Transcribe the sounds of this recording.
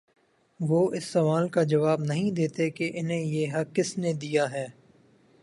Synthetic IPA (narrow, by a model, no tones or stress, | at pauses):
ʋoːʔɪsːɐʋaːlkad͡ʒɐʋaːbnɐɦĩd̪eːt̪ekeʔɪnɦẽjeːɦɐkɪsned̪ijaɦɛː